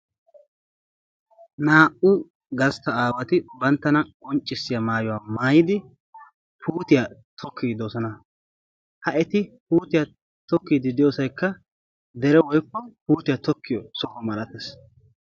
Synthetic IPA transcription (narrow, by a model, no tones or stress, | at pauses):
naːʔʊ | ɡɐst̪ɐaːwɐt̪ɪbɐnt̪ːɐnɐkʼɔnt͡ʃʼːɪsːɪjɐmaːjɔwaːmaːjɪd̪ɪ | pʰuːt̪ɪjat̪ʰɔkʰːiːd̪osɔnɐ | hɐʔɛt̪ɪpuːt̪ɪjɐ | t̪ɔkːiːd̪ɪd̪ɪjoːsɐjkːɐ | d̪ɛɾɛwɔjkːɔpuːt̪ɪjat̪ɔkʰːɪjɔsɔkɔmɐlɐt̪ɛs